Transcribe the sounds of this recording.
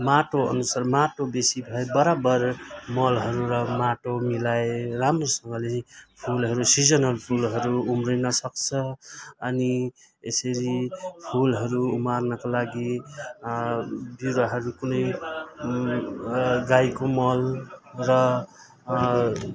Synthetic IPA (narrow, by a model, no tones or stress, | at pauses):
maʈoʌ̰nusaɾmaʈobesibʱʌebʌɾabʌɾmʌlɦʌɾuɾʌmaʈomilaeɾamɾosʌŋɡʌlepʰulɦʌɾusid͡zʌnʌlpʰulɦʌɾuumɾinʌsʌkt͡sʰʌː | ni | ḛsʌɾipʰulɦʌɾuːmaɾnʌkolaɡi | buɾʌɦʌɾukunʌj | ɡajkomʌlɾʌ